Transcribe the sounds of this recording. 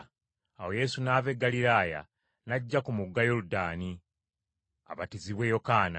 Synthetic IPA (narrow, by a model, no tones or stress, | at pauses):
awo̞je̞sunaːve̞ɡːaliɾaːja̰ | naɟːakumuɡːajoludaːni | a̰βatiziβwe̞jo̞kaːna̰